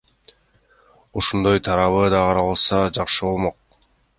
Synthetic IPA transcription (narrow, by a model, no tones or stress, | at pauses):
oʃond̪o̞jt̪ʰɑɾɑβɯd̪ɑʁɑɾɑlˠsɑd͡ʒɑqʃɯβo̞lˠmo̞q̚